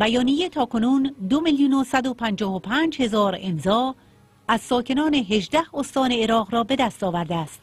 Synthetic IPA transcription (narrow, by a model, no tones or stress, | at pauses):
bæjɒːnijet̪ʰɒːkʰo̞nuːnd̪o̞miljuːnosæd̪opʰænd͡ʒɒːɦopʰæːnd͡ʒhe̞zɒːɾemzɒː | æz̥sɒːcʰe̞nɒːneɦe̞ʒd̪æhost̪ɒːne̞ːɾɒːʁɾɒːbe̞d̪æst̪ɒːvæɾd̪eæst̪